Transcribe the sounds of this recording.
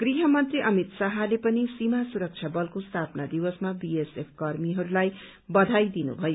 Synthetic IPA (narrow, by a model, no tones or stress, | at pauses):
ɡ̥riɦʌmʌnt̪riʔʌmit̪saɦalepʌnisimasuɾʌk̚t͡ʃʰjabʌlkost̪ʰapnad̪iwʌsmabiesepʰkʌrmiɦʌɾulaj | bʌd̪ʱajd̪inṵbʱʌjo